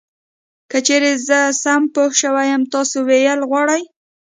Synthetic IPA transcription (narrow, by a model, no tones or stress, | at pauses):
kət͡ʃeɾezəsampohʃəwajəmt̪ɑsowejəlɣwɑɽaj